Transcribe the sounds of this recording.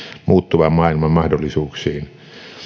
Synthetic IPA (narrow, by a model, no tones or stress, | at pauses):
muːt̪ːuʋɑmmɑˑilmɑmmɑhdolːisuːksˑiːn